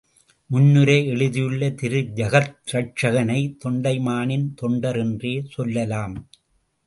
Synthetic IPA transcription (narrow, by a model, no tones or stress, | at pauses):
mʊnːɯɾɐɪɛɻɯðɪjɯɭːɐt̪ɪɾɯd͡ʒɐɣɐt̪ɾɐʈ̚t͡ʃɐɣɐnɐɪt̪ɔɳɖɐɪmaːnɪnt̪ɔɳɖɐɾɛndreːsɔlːɐlaːm